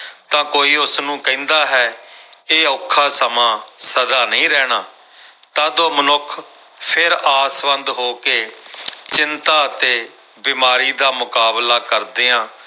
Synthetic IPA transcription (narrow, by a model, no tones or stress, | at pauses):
t̪ãːkoːiːʊsnũːkɛ̃ːnd̪aːɦɛːeːʊkʰːaːsəmãːsəd̪aːnəĩːɾɛːɽaː | t̪ãːd̪oːmənʊkʰ | pʰɪɾaːsʋənd̪ɦoːkeːt͡ʃɪnt̪aːət̪eː | biːmaːɾiːd̪aːmʊkaːblaːkəɾd̪eːãː